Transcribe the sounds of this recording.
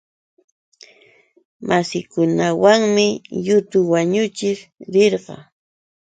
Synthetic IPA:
mʔasɪkʊnawaŋmɪjʊt̪ʊwaɲʊt͡ʃɪɾɾeɾɢɑ̰

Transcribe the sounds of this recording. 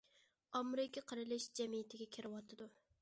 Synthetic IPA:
ɑmɾɪkʲʰɪqʰəɾɨlɪʃd͡ʒɛmijɪt̪ʰɪɡʲɛkʲʰɪɾɪwɑt̪ʰɨd̪u

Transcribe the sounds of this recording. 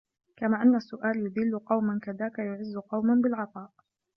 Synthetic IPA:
kamaːʔanːasːʊʔaːljʊd̪ɪlːʊqɑwmankaðaːkajʊʕɪzːʊqɑwmanbɪlʕɑt̪ˤɑːʔ

